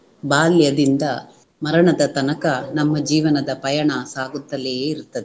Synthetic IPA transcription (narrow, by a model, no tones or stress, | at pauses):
baːljɐd̪ind̪ɐ | mɐɾɐɳɐd̪ɐt̪ɐnɐkɐnɐmːɐd͡ʒiːʋɐnɐd̪ɐpɐjɐɳɐsaːɡut̪ːɐlejeːiɾut̪ːɐd̪e